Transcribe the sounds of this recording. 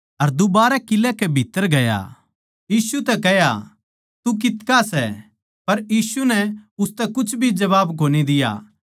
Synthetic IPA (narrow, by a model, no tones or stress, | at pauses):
ɐɾd̪ʊbaːɾɛkɪlɛkɛbʱɪt̪ːəɾɡɐja̰ | jiːsut̪ɛkɛja̰ | t̪uk̬ɪt̪kasɛ | pɐɾjiːsunɛʊst̪ɛkʊt͡ʃʰbʱid͡ʒɐʋaːbk̬oːnid̪ɪja̰ː